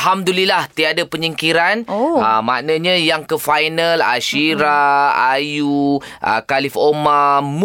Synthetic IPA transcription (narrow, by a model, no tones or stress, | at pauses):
ɦamd̪ulilaht̪iadapəɲəŋkiɾanoəmanə̃ɲə̃jaŋkəfajnãla̰ʃiɾaa̰juʔə̰kalifomam